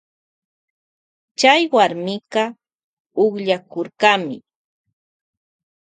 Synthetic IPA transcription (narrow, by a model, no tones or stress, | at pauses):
t͡ʃajwaɾmɪqɑ | ʊχʎakoɾkɑmɪ